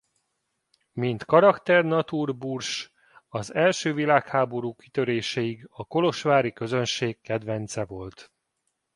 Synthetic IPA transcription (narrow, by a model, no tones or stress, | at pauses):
mint̪kɒɾɒkt̪ɛrnɒt̪uːrburʃ | ɒzɛlʃøːvilaːkhaːbo̞ɾuːki̥t̪ø̞ɾeːʃɛiɡɒko̞lo̞ʃʋaːɾikø̞zø̞nʃeːkːɛd̪vɛnt̪sɛvo̞lt̪